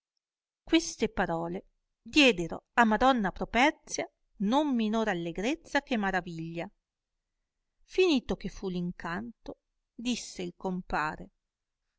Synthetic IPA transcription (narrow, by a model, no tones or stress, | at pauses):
kwest̪epaɾɔːle | d̪jɛːd̪eɾo̰amːad̪ɔnːapɾopɛrt̪sja | nomːinoːɾalːeɡɾet̪sːak̟emːaɾaviʎːa | finiːt̪ok̟efːuliŋkʰant̪o | d̪isːeilkompaːɾe